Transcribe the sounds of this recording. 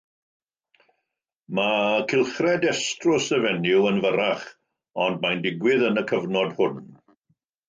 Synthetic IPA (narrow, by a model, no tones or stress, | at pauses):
makʰɪlˠχrɛdɛstrʊsɛvɛnɪwənvəɾaχ | ɔndmajndɪɡwɪðənəkʰəvnɔdhʊn